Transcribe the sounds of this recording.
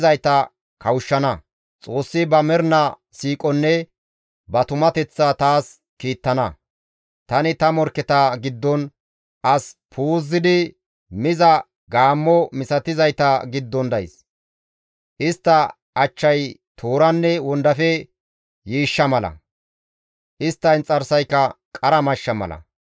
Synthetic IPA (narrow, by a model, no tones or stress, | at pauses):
zɐjt̪ɐ | kɐwʊʃːɐnɐ | t͡sʼo̞ːsːɪbɐmɛɾnɐ | siːkʼɔnːɛ | bɐt̪ʊmɐt̪ɛt͡sːɐt̪aːs | kiːt̪ːɐnɐ | t̪ɐnɪt̪ɐmɔɾkːɛt̪aɡɪd̪ːɔn | ʔɐspʰuːzːɪd̪ɪ | mɪzɐ | ɡaːmːɔmɪsɐt̪ɪzɐjt̪ɐɡɪd̪ːɔnd̪ɐjɪs | ʔɪst̪ːɐ | ʔɐt͡ʃːɐjt̪ʰoːɾɐnːɛwɔnd̪ɐfɛ | jiːʃːɐmɐlɐ̰ | ʔɪst̪ːɐjnt͡sʼɐɾsɐjkːɐkʼɐɾɐmɐʃːɐmɐ̰lɐ̰